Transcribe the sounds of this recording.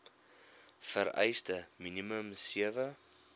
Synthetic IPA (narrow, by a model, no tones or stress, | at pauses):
fəɾɛ̰jstəminiməmsiəvə